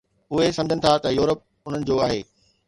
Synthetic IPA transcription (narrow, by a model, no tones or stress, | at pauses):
ʊɦesɐ̃md͡ʑʱənɪ̆t̪ʰat̪ɐjuːɾəp̚ | ʊn̤ənɪ̆d͡ʑoːaːɦḛː